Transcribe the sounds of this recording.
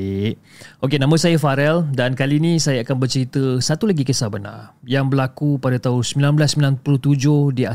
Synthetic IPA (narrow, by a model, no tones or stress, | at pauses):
ʔ | okenãmə̃sajafaɾɛldankalinĩsajaakanbərt͡ʃəɾit̪əsat̪ulaɡikəsahbəna̰rjaŋbəlakupadat̪aɦʊnsmilanbəlasːəmilanpulut̪ud͡ʒʊhdia